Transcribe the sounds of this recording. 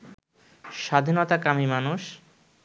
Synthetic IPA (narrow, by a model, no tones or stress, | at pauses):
ʃad̪ʱinot̪akamimanuʃ